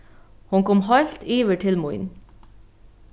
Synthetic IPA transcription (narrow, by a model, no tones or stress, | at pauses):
hʊŋkɔmhɑɪlt̪iːʋəʈʰɪlmʊʏ̰n